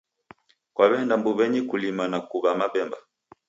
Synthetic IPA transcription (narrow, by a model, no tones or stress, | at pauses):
kwaβɛndambuβɛɲikulimanakuβamaɓɛmba